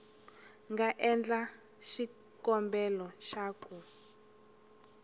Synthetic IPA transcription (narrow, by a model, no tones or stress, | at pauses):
ŋɡaʔɛnd͡ɮa | ʃi | kɔmbɛlɔʃaːku